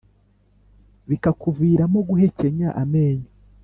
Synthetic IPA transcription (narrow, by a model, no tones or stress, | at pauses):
βikakuviːɾamoɡuɦe̞ce̞ɲaʔameːɲo